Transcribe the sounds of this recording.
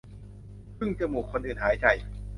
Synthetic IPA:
pʰɯ˥˩ŋt͡ɕa˧˩muː˨˩kʰo˧nʔɯː˨˩nhaː˩˦jt͡ɕa˧˩j

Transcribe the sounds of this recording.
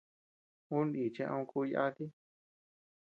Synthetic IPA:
ũ˦ni˨t͡ʃẽ˧ʔã̰˧ũ˧ku˦˧ja̰˦t̪i˦

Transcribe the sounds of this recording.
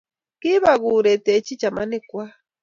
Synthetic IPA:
ki˦βa˨ɣu˨ɾe˨te˨t͡ʃi˦t͡ʃa˨ma˦ni˦kwa˦

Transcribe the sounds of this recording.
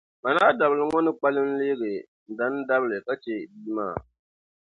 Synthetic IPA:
ma˨naː˦da˨bɨ˨lɨ˨ŋɔ˦nɨ˦k͡pa˦lɨ˦m̩˦leː˦ɡɨ˨ | n̩˨da˦n˦da˦bɨ˨lɨ˨ka˦t͡ʃe˨biː˦ma̰ː˦˨

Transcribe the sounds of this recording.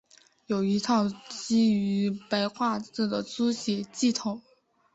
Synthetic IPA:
jo˨˩ʊi˧˥t̪ʰɑ˥˩ʊt͡ɕi˥y˧˥pa˧˥ɪxwa˥˧t͡s̩˥˩d̪ə˩t͡su˥ɕjɛ˧˥t͡ɕi˥˩t̪ʰʊ˨˩˦ŋ

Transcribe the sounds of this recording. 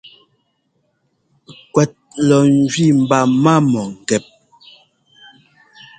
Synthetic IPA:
kwɛ˨t̚lɔ˨n˦d͡ʒɥi˦˨m̩˨ba˨ma˦mɔ˨ŋ̩˨ɡɛ˨p̚

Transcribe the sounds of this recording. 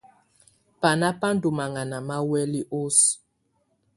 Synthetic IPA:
pa˨na˦pa˦n̩˦du˨ma˨ŋa˨na˨ma˦wɛ˦li˦ʔo˦s

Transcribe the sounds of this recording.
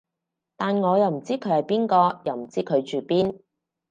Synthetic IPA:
t̪aː˨nŋɔː˨˧jɐ˨wm̩˨˩t͡siː˥kʰɵ˨˥ɥhɐ˨jpiː˥nkɔː˧jɐ˨wm̩˨˩t͡siː˥kʰɵ˨˧ɥt͡ʃyː˨piː˥n

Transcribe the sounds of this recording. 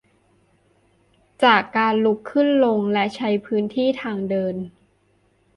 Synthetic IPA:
t͡ɕaː˨˩kːaː˧nlu˦˥kʰːɯ˥˩nlo˧ŋlɛ˦˥ʔt͡ɕʰa˦˥jpʰɯː˦˥nt̪ʰiː˥˩t̪ʰaː˧ŋdɤː˧n

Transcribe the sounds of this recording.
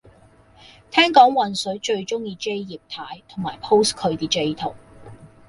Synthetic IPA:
t̪ʰɛː˥ŋkɔː˨˥ŋwɐ˨nsɵ˨˥ɥt͡ʃɵ˧ɥt͡ʃʊ˥ŋjiː˧ke˥jjiː˨p̚t̪ʰaː˨˥jt̪ʰʊ˨˩ŋmaː˨˩jpʰo˥wskʰɵ˨˧ɥt̪iː˨t͡ʃe˧jt̪ʰo˨˩w

